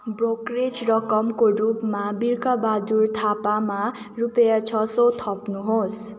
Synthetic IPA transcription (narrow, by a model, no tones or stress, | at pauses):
brokred͡zrʌkʌmkorupmabirkʌbad̪urt̪ʰapama | rupʌjat͡sʰʌsot̪ʰʌpnuɦos